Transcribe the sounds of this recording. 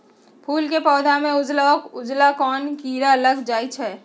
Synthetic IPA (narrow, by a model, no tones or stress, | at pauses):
pʰuːlkepɔːd̪ʱamẽʊd͡ʒlaɔʊd͡ʒlakɔːnkiːɾaələɡd͡ʒaːit͡ʃʰɛː